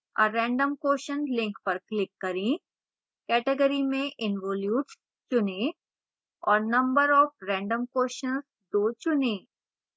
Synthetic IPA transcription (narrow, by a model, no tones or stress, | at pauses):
ə̰ɾɛ̃ːɳɖəmkoːʃə̃nlɪ̃ŋkpɐɾklɪkːɐɾẽ | kɛːʈeɡəɾimẽʔɪnʋɔːljuːʈs | t͡ʃʊnẽ | ɔːɾnɐ̃mbəɾɔːfɾɛ̃ːɳɖəmkoːʃənz | d̪oːt͡ʃʊnẽː